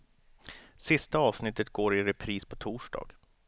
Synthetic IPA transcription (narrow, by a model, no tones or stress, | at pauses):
sɪst̪aɑːvsnɪt̪ːət̪ɡoːɾɪɾɛpʰɾiːspʰɔt̪ʰuːʂɖɑ̰ːɡ̥